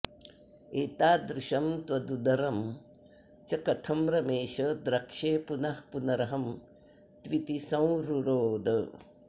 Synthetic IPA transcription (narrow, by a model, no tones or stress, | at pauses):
eːt̪aːd̪ɾɪʃɐmt̪ʋɐd̪ud̪ɐɾɐm | t͡ʃɐkɐt̪ʰɐmɾɐmeːʃɐd̪ɾɐkʂeːpunɐhpunɐɾɐɦɐm | t̪ʋit̪isɐ̃w̃ɾuɾoːd̪ɐ